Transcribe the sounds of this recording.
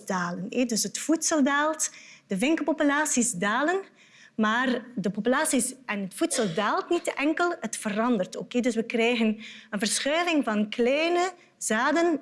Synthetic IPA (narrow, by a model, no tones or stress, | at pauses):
daːlənedɵsətfutsəlˠdaːlˠtd̥əvɪŋkəpopylaːsisdaːlən | maːrdəpopylaːsisʔɛnɦətfutsəlˠdaːlˠtnitəʔɛŋkəlˠətfərɑndərtokeːdɵsʋəkrɛjɣənənvərsxøːlɪŋvɑnklɛːnə | zaːdən